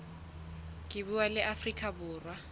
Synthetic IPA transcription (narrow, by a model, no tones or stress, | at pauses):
kʼɪbuwalɪʔafrikʼabʊːrwa